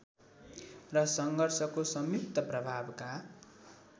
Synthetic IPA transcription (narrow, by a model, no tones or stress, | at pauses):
rʌsʌŋɡʱʌrsʌkosʌmjuk̚t̪ʌprʌbʱabka